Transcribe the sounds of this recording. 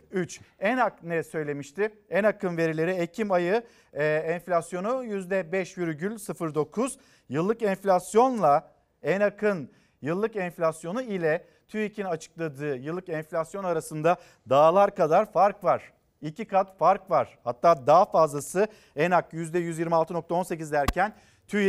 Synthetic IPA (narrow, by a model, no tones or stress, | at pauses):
yt͡ʃɛnaknɛsø̞jlʲe̞miʃt̪ʰɪɛnakɯnve̞ɾilʲe̞ɾiecʰimajɯ | ɛnflʲasjo̞nujyzd̪ɛbɛʃjyɾyɟylʲsɯfɯɾd̪o̞kʰuz̥ | jɯlˠːɯkɛnflʲasjo̞nlˠa | ɛnakʰɯn | jɯlˠːɯkɛnflʲasjo̞nuilʲɛ | t̪ʰyicʰinat͡ʃʰɯ̥k̚lˠad̪ɯːjɯlˠːɯkɛnfʲlʲasjo̞naɾasɯnd̪a | d̪aːlˠaɾkad̪aɾfaɾkvaɾ̝̥ | icʰikʰat̪faɾkvaɾ̥hat̪ʰːaːd̪aɦfazlˠasɯ | ɛnakjyzd̪ɛjyzjiɾmialˠt̪ʰɯno̞k̚t̪ʰao̞nse̞cizd̪æɾcʰæn | t̪ʰy